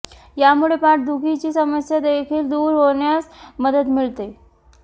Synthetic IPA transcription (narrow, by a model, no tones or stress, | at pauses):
jamuɭepaʈ̚d̪ʱuɡit͡ɕiːsəməsjad̪ekʰiːld̪uːɾɦoɳjat͡sməd̪ət̪miɭt̪e